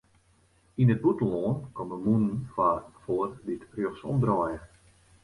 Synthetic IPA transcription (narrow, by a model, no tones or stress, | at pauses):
inəd̚butən̩loːnkɔməmunənfafoːərditrjøχsɔ̰mdrɔjə